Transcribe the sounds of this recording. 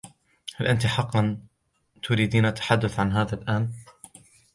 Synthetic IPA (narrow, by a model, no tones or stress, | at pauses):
halʔant̪ɪħɑqːɑn | t̪ʊɾiːd̪iːnʔat̪ːḁħad̪ːʊθʕanɦaːðalʔaːn